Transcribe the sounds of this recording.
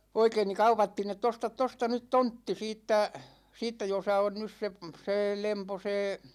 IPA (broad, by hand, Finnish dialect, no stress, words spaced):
oikein ni kɑupɑtːiːn etˑ ostɑt tostɑ nyt tontːi siːtːæ siːtːæ josɑ on nys se seː lempo seː